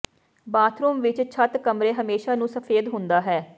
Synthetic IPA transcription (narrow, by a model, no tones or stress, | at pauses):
baːt̪ʰɾuːmʋɪt͡ʃt͡ʃʰət̪kəmɾeːɦəmeːʃaːnũːsəpʰeːd̪ɦʊ̃nd̪aːɦɛː